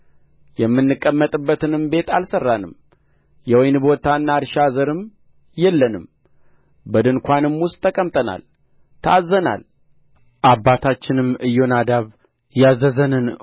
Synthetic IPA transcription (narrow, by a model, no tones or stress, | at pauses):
jɛmːɨnːɨkʼːəmːət̪ʼɨbːət̪ɨnɨmbe̞t̪ʰalsərːanɨm | jɛwɔjnɨbo̞t̪ʰaɨnːad̪ʃazəɾɨm | jɛlːənɨm | bəd̪ɨnkʷanɨmwʊst̪ʼʰːəkʼəmt̪ʼəna̰l | t̪ʰəazːəna̰l | ʔabːat̪ʰat͡ʃːɪnɨmɨjːo̞nad̪aβ | jazəzənɨn